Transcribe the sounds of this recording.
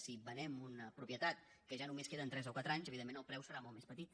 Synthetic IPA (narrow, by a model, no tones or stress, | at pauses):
sibənɛmunəpɾupjət̪at̪̚kəʒanumeskeðənt̪ɾɛzokwat̪ɾaɲzəβiðemːẽnəlˠpɾɛwsəɾamɔlˠmespət̪it̪